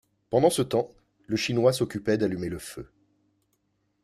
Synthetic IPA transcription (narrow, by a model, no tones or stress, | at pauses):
pɑ̃d̪ɑ̃sət̪ɑ̃ | ləʃinwasɔkʲypɛd̪alymeləfø